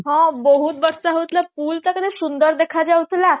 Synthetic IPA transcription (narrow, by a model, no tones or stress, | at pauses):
ɦãbəɦuːt̪bəɾsaɦət̪lapuːlt̪akəd̪esund̪əɾd̪ekʰad͡ʑaut͡sla